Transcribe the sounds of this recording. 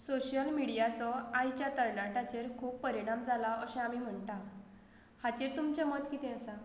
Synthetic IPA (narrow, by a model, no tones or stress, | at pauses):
soɕjəlmiɽijat͡sɔajt͡ɕjat̪əɾnaʈat͡ɕeɾkʰuːppːəɾiɽ̃amd͡zʱalaəɕẽamiːm̤əɳʈã | hat͡ɕiɾt̪umt͡ɕamət̪kit̪ẽəsa